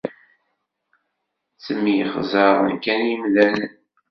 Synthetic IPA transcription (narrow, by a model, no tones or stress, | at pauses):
t͡səmːjəχzˤəðˤənkænjimðænə